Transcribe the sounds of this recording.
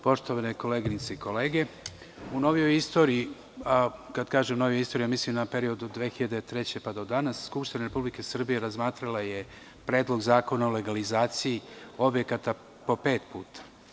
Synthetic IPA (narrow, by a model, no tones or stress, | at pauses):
po̞ʃt̪o̞ʋaneko̞leːɡinit̪seiko̞le̞ːɡe̞ | uno̞ʋijo̞jist̪o̞ːɾii | akad̪kaːʒemuno̞ʋjoist̪oɾiamislimnape̞ɾio̞d̪ud̪ʋexiʎad̪et̪ɾe̞t͡ɕe̞pad̪od̪anasskupʃt̪inaɾe̞publike̞sr̩bije̞ɾazmaːt̪ɾalaje | pɾe̞ːd̪lo̞ɡzaːko̞naule̞ɡalizaːt̪sijio̞bje̞kat̪a | po̞pe̞ːt̪puːt̪ḁ